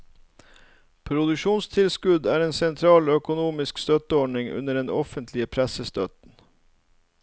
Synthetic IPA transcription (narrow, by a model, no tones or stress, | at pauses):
pʰɾʊd̪ʉʃuːnst̪ʰɪlskʉd̪æːɾeːnsɛnt̪ʰɾɑːlːœkʊnuːmɪskst̪œt̪əɔɖɳɪŋʉ̰nəɖɛnɔ̰fənt̪ʰlɪəpʰɾæsəst̪œt̪n̩